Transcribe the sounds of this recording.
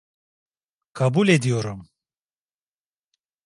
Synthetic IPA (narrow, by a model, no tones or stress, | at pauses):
kʰabulɛd̪ijoɾum